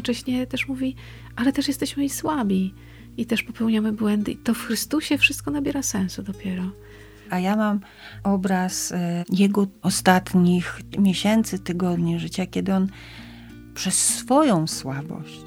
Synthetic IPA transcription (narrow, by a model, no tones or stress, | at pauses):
t͡ʂɛɕɲɛt̪ɛʂmuvʲi | ʔalɛt̪ɛʂjɛst̪ɛɕmɘiswabʲi | it̪ɛʂpɔpɛwɲamɘbwɛnd̪ɘit̪ɔfxɾɘst̪uɕɛfʂɨst̪kɔnabʲjɛɾasɛ̃w̃sud̪ɔpʲjɛɾɔ | ajamam | ɔbɾasjɛɡɔɔst̪at̪ɲixmʲjeɕɛnt̪sɘt̪ɘɡɔd̪ɲiʐɘt͡ɕakʲɛd̪ɘɔn | pʂɛsːfɔjɔ̃w̃swabɔ̰ɕt͡ɕ